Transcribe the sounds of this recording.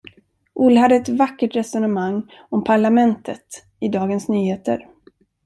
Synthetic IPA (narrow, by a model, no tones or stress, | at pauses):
ʔʊlːhad̪ːəɛt̪vakːəʈɾɛsɔnəmaŋː | ɔmpʰaɭamɛnt̪ʰət̪ | ɪd̪ɑːɡənsnyːheːt̪ə̰ɾ